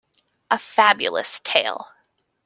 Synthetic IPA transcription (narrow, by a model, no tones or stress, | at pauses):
ʔəfæbjɨl̩ˠə̰stʰeɪlˠ